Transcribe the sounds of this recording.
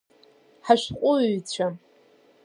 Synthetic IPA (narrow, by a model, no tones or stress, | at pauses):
ħaʃqʷʼʊɥt͡ɕʷʰa